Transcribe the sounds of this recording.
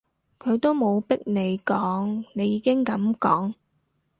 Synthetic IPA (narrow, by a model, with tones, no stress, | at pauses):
kʰɵ˨˧ɥt̪o˥wmo˨˧wpɪ˥k̚ne˨˧jkɔː˨˥ŋne˨˧jːiː˨˧kɪ˥ŋkɐ˨˥mkɔː˨˥ŋ